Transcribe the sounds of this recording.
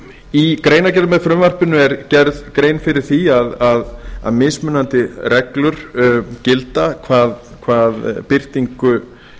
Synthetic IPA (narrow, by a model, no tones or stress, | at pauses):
ikɾeːjnacɛɾðmɛðfɾʏmvar̥pɪnʏɛɾcɛɾðkɾeːjnfɪɾɪɾ̥θiaðaða̰ðmɪsmʏnːant̪ɪrɛklʏɾ̥cɪlt̪akʰvaːðkʰvaːð̰pɪr̥t̪iŋkʏ